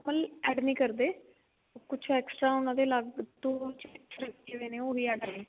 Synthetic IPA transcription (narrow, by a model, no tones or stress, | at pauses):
pəlɛːɖnĩːkəɾd̪eː | okʊt͡ʃʰɛːksʈɾaːʊnãːd̪eːlaɡt̪õːt͡ʃɛksɾak̪eːʋeːneːoːɦiːɛːɖəːɾeː